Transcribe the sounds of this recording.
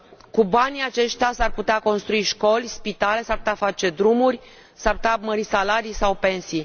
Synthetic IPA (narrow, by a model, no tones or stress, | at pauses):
kubanʲiat͡ʃe̞ʃt̪easarput̪eako̞nst̪ɾuiʃko̞lʲspit̪ale̞sarput̪eafat͡ʃe̞d̪ɾumurʲ | sarpu̥t̪eaməɾisalaɾijsawpe̞nsi